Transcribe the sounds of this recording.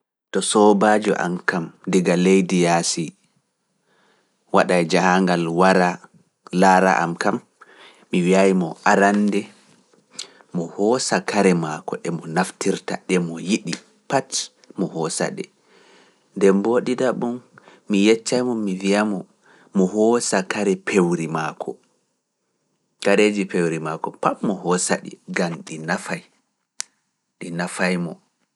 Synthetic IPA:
tɔsɔbad͡ʒɔ̰ʔa̰mkamdiɡalejdijasi | waɗajd͡ʒahaŋɡalwaɾa | laːɾa̰ʔa̰mkamː | iwiajmɔ̰ʔaɾandɛ | mɔhɔsakaɾɛmakɔʔɛmɔnaftiɾta̰ɗɛmɔjiɗi | pat | mɔhɔsa̰ɗɛ̰ | ndɛmboɗidaɓumː | ijɛt͡ʃːajmɔmivijamɔ | mɔɦɔsakaɾɛpʰewɾimakʰɔ | kaɾed͡ʒipewɾimakɔpatmɔhɔsa̰ɗḭɡamɗinafaj | ɗinafajmɔ

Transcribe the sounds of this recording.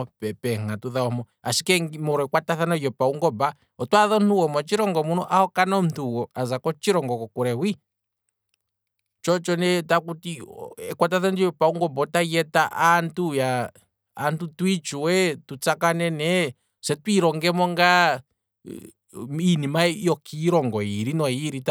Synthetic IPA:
ɔpɛpɛŋatuðaɔmɔ | asi̥kɛŋmɔɾɔɛkwataθanɔjɔpauŋɡɔba | ɔtwaðɔnuwɔmɔt͡ʃiɾɔŋɡɔmunɔʔahɔkanɔm̩tuwɔazakɔt͡ʃiɾɔŋɡɔkɔkuɾɛwi | t͡ʃɔt͡ʃɔnɛtakutiɛkwat̬aθandijɔpauŋɡɔbɔtaijɛtaʔantujaː | ntutwit͡ʃuwɛtut͡sakanɛnɛ | sɛtwiɾɔŋɡɛmɔŋɡa | minimajɔkʰiɾɔŋɡɔiɾinɔiɾita

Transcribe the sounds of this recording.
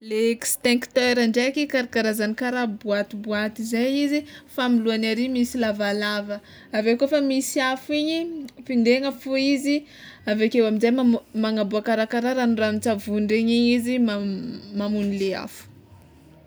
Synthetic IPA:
lekst̪ɛ̃ŋkt̪eɾaɳɖ͡ʐekikaɾakaɾazanikaɾabuat̪ibuat̪izajizifamiluanaɾimisilavalavə | avekofamisiafiɲifind̪eŋəfuizi | avekewaminzajmamaŋabuakaɾakaɾaɾanuranit͡savunɖ͡ʐeɲiɲizimamamunilea̰fu̥

